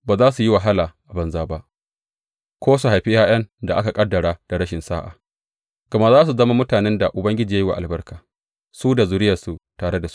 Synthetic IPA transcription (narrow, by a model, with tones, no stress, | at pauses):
baː˨zaː˦su˨ji˦wa˨ɦa˦laː˨ʔa˨bɐ˨nzaː˦ba˦ʔ | kʷoː˦s̬u˨ɦa˨jɸɪ˦jaː˦j̰ɐ˦nda˨ʔa˦ka˨kʼɐ˦dːɐ˨ɽaː˦d̥a˨ɽɐ˦ʃɪ˨nsaː˦ʔa̰ː˨ | ɡ̥ɐ˨ma˦ʔzaː˦s̬u˨zɐ˦ma˦mʊ˦taː˨nɛ˦nda˨ʔʊ˨bɐ˦ŋɡʲɪ˦d͡ʒiː˨ja˦ji˦wa̰˨ʔa˨lbɐ˦rkaː˨ | suː˦da˨zʊ˨ɾɪ˦jɐ˨su˨taː˨ɽe˦da˨su̥˦